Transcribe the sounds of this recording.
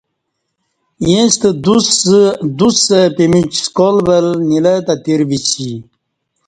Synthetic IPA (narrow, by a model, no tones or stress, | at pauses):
jẽst̪əd̪usd̪usəpemit͡ɕskolbəlnilət̪at̪iɾvit͡ɕi